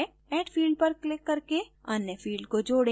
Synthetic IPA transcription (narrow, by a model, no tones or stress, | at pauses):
ɛːʈpʰiːlɖpɐɾklɪkːɐɾkeɐnːjəpʰiːlɖkod͡ʒoːɽẽ